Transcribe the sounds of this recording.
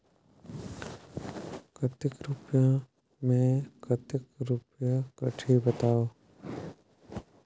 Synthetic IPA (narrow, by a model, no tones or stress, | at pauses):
kʰət̪ɪkɾʊpjã | mẽkət̪ɪkɾʊpjakɐʈʰibɐt̪aːoː